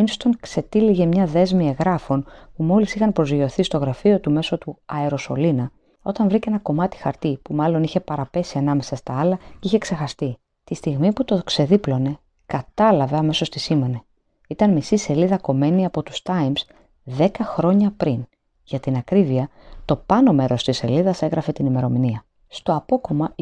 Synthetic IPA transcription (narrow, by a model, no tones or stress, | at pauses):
inst̪o̞nkse̞t̪iliʝe̞mɲɐðe̞zmie̞ɣɾɐfo̞npumo̞lisixɐnpɾozʝo̞θist̪o̞ɣɾɐfio̞t̪ume̞so̞t̪uɐeɾo̞so̞̰linɐ | o̞t̪ɐɱvɾice̞nɐko̞mɐt̪i̥xɐɾt̪ipumɐlo̞niçe̞pɐɾɐpe̞siɐnɐme̞sɐst̪ɐɐlɐiçe̞kse̞xɐst̪i | t̪ist̪iɣmiput̪o̞kse̞ðiplo̞ne̞ | kɐt̪ɐlɐveɐme̞so̞st̪isime̞ne̞ | it̪ɐnmisise̞liðɐko̞me̞niɐpo̞t̪u̥st̪ɐjms | ðe̞kɐxɾo̞ɲɐpɾin | ʝɐt̪inɐkɾiviɐt̪o̞pɐno̞me̞ɾo̞st̪isːe̞̰liðɐse̞ɣɾɐfe̞t̪inime̞ɾo̞miniɐ | st̪o̞ɐpo̞ko̞mɐ